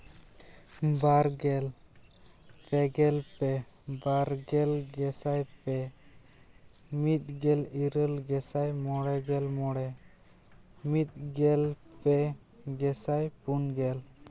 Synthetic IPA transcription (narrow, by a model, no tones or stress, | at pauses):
baɾɡɛl | pɛɡɛlpɛbaɾɡɛlɡɛsajpɛ | mit̪̚ɡɛliɾəlɡɛsajmɔɽɛɡɛlmɔɽɛ | mit̪̚ɡɛlpɛ | ɡɛsajpunɡɛl